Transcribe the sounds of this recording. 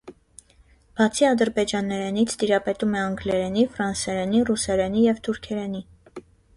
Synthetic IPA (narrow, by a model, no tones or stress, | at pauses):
b̥ɑt͡sʰiɑd̪əɾbɛd͡ʒɑnːɛɾɛnit͡sʰt̪iɾɑpɛt̪umɛɑŋɡlɛɾɛnifɾɑnsɛɾɛnirusɛɾɛnijɛvt̪ʰuɾkʰɛɾɛni